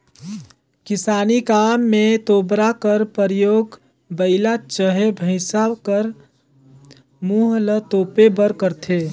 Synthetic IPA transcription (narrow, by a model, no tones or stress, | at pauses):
kɪsaːnikaːmːẽt̪oːbɾakəɾpəɾjoːɡ | bəɪlat͡ʃəɦebʱəɪsakəɾ | muɦlət̪oːpebəɾkəɾt̪ʰe